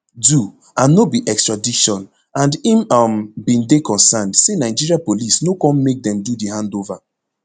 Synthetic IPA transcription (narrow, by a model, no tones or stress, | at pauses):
du | ãnːobiʔɛkstɹadiʃɔ̃n | ãndĩmambĩndekɔ̃nsandsenaɪd͡ʒiɹiapolisnokɔ̃nmek̚dɛ̃mdudihãndova